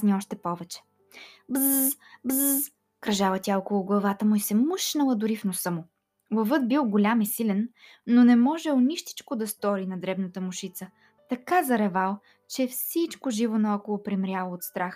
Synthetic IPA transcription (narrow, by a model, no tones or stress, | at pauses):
sniɔʃt̪ɛpɔvɛt͡ʃɛ̥ | bzbzz | kɾɐʒalət̪ʲaɔkolˠʊɡlˠɐvat̪əmʊisɛməʃnəlˠəd̪ʊɾifnosɤmʊ | vɐvɤd̪̚bilˠɡʊlʲamisilɛnː | onɛmɔʒɛʊnʲiʃt̪i̥t͡ʃkod̪ɐst̪ɔɾinɐd̪ɾɛbnət̪əmʊʃit̪sə | t̪ɐkazɐɾɛvalˠ | t͡ʃɛfsit͡ʃkʊʒivonɐɔkolˠopɾimɾʲjalˠoot̪st̪ɾax